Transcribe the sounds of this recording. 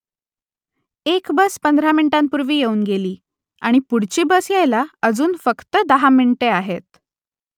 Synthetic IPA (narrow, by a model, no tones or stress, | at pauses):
ekbəspənd̪ʱɾamiɳʈampuɾʋiːjeuːnɡeliː | aɽ̃ipuɽ̤t͡ɕiːbəsjejlaəd͡zuːnfəkt̪əd̪əɦamiɳʈeaɦet̪